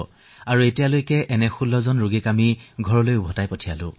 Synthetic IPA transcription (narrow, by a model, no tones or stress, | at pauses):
aɹuetijalojkɛʔɛnɛxulːɔzɔnɹuɡikamiɡʱɔɹɔlojubʱɔtajpɔtʰialʊ̰̃